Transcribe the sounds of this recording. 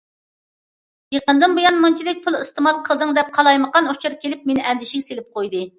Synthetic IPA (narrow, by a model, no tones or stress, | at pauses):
jeqənd̪ɨnbojɑnmɑnt͡ʃʰid̪ɪk̚ʲpʰulˠist̪ɨmɑlˠqʰəlˠd̪ɨŋd̪ɛp̚qʰɑlˠɑjməqɑnot͡ʃʰuɾkʲʰelɪp̚menɪʔɛnd̪ɪʃiŋʲselɪp̚qojd̪ɨ